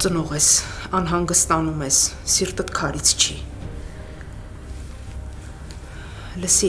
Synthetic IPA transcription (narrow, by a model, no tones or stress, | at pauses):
t͡sənɔʁɛsɑnɦɑŋɡəst̪ɑnumɛssiɾt̪ət̪kʰɑɾit͡sʰt͡ʃʰi | ləsi